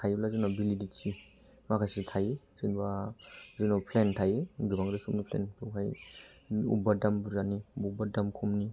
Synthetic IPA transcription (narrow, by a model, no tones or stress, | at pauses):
tʰajblazɯnabiliditsi | makʰasitʰaj | zɯnbazinɔpʰlentʰajɡibaŋdɯkʰɯmnipʰlḛntʰuɦʰaj | ṵbadambuzanibbadamkʰɔmni